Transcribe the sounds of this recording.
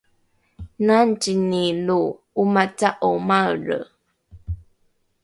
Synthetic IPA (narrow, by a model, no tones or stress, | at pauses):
nantiniluː | mat͡saʔomarə̰